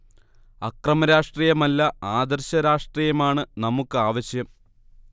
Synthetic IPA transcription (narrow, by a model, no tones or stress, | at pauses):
ɐkrɐmɐɾaːʂʈriːjɐmɐlːɐaːd̪ɐrɕɐɾaːʂʈriːjɐmaːɳɨnɐmukːɨaːʋɐɕjɐm